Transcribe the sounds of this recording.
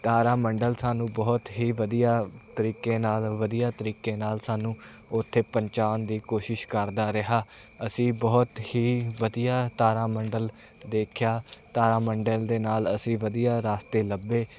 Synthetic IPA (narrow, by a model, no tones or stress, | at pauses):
t̪aːɾaːməɳɖəlsaːnũːbɔːt̪ɦiːʋəd̪ijaːt̪əɾiːkeːnaːlʋəd̪ijaːt̪əɾiːkeːnaːlsaːnũː | ʊt̪ʰːeːpəɲt͡ʃaːnd̪iːkoːʃɪʃkəɾd̪aːɾɪɦaː | əsĩːbɔːt̪hiːʋəd̪ijaːt̪aːɾaːməɳɖəl | d̪eːkʰjaːt̪aːɾaːməɳɖəld̪eːnaːləsĩːʋəd̪ijaːɾaːst̪eːləbeː